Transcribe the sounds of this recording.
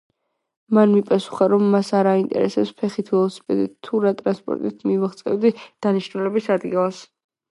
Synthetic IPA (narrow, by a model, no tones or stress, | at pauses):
manmipʼasu̥χaɾɔmːasaɾaint̪ʼɛ̰ɾɛsɛpspʰɛχit̪ʰvɛlˠɔsi̥pʼɛd̪it̪t̪ʰːuɾat̪ʼɾanspʼɔ̰ɾt̪ʼit̪ʰmivaχt̪sʼɛ̰vd̪id̪̥aniʃnulɛbisad̪ɡilˠas